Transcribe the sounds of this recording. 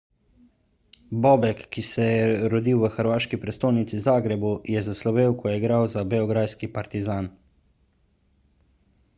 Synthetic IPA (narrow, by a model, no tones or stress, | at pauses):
bɔbɛkːisɛjɛɾɔd̪iːwʋəxəɾʋaːʃkipɾɛst̪oːjnit̪sizaːɡɾɛbujɛzaslɔʋeːwkɔjɛɡɾawzabɛɔɡɾaskipaɾt̪izaːn